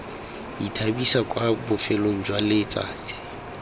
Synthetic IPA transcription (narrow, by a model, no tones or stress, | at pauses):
itʰabisakʼwabʊfɛloŋ̩d͡ʒwalɪt͡sʼa̰ːt͡sʼɪ̥